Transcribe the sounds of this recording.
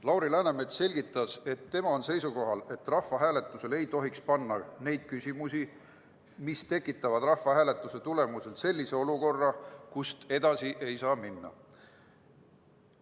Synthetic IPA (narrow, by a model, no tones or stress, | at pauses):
lɑwɾilæːneme̞d̪se̞lʲɡ̥it̪ːˑɑse̞t̪ːe̞mɑo̞nse̞jsuko̞ɦɑle̞t̪ːrɑhvɑɦæːle̞t̪ˑːuse̞le̞jt̪o̞ɦikspɑnːɑne̞jd̪̥̚kysʲimusi | mist̪e̞kːˑit̪ːˑɑvɑd̪̥rɑhvɑɦæːle̞t̪ːˑuse̞t̪ule̞muse̞lse̞lʲːise̞o̞luko̞rːɑkust̪e̞d̪ɑsiʔe̞jsɑːminːɑ̰